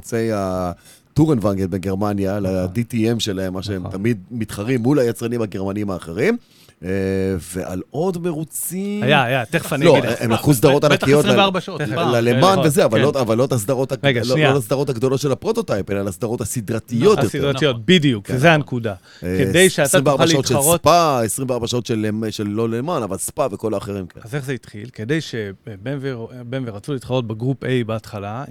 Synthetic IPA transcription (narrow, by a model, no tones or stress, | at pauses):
t͡se̞ja | t̪uʁenvaŋɡedbeɡeʁmanjalad̪itiemʃe̞lahe̞mːaʃeemtamid̪̚mit̪χaʁimːulajat͡sʁanimhaɡeʁmaniimhaːχe̞ʁim | veʔa̰lo̞d̪me̞ʁut͡siajaajat̪eχflo̞eʔemlakus̬d̪aʁo̞t̪anakijotaʁbaʃolalemanvezeavalːotavalːot̪as̬d̪aʁo̞t̪aɡalolas̬d̪aʁo̞t̪haɡd̪o̞lo̞t̪ʃe̞lapʁo̞t̪o̞t̪ajpelalasd̪aʁo̞t̪asid̪ʁat̪ijo̞t̪joetijot̪bid̪ijukzeankud̪a | edejsʃeasimveaʁaʃaoʃelʁsopaesʁimveaʁbaʃao̞t̪ʃelemʃelːo̞lemanavalspaveko̞laːχe̞ʁimkḛnazeχzeit̪χilked̪ejʃebenvebenveʁat͡sulit̪χaʁo̞t̪̚beɡʁupejbeat̪χala